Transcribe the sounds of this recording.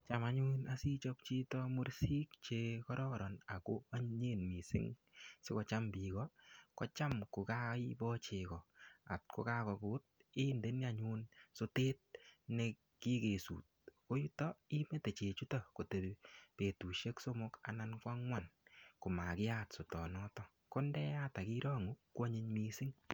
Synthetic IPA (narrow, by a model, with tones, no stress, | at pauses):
t͡ʃa˨ma˦ɲu˦na˦si˦t͡ʃɔ˦k̚t͡ʃi˦tɔ˦mu˦ɾsi˦kt͡ʃe˧kɔ˦ɾɔ˦ɾɔ˨na̰˨ko˦a˦ɲɲe˦nmi˨sɪ̰˦ŋsi˦kɔ˧t͡ʃa˦mbi˨kɔkɔ˦t͡ʃa˦mkʊ˨ka˦ibɔ˦t͡ʃe˨kɔ˨a̰˨t̚kʊ˦ka˦kɔ˨kʊ˦t̚ɪ˦nde˦n˦a˦ɲu˦nso˦teː˦t̚ne˧ | ki˦ke˨sṵː˨t̚ko˦ju˦tɔ˦i˦me˦te˨t͡ʃe˨t͡ʃu˦ta˨ko˨te˨pe˨tu˨ʃe˦kso˦mʊ˦ka̰˨˦na˦nkwa˦ŋwa˦nko˨ma˨kɪ˦a˦tso˨tɔ˨nɔ˦tɔ˦ | ko˦ndɛ˦a˦ta˨ki˦ɾɔ˦ŋu˦kːɔ˦ɲi˧ɲmi˧sɪ˦ŋ